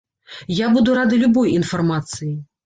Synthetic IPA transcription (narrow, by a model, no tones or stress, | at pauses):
jabud̪uɾad̪ɨlʲubɔjin̪fɐrmat̪sɨji